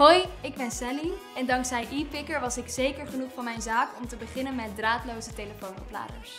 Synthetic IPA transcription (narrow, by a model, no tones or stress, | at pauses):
ɦojɪɡ̚bɛnsɛli | ɛndɑŋksɛjʔipɪkəɹʋɑsɪksejkəɹχənuχfɑnmɛjnzaːkɔmtəbəχɪnənmɛt̚draːtlowzətejləfownɔ̰pla̰ːdə̰ɹs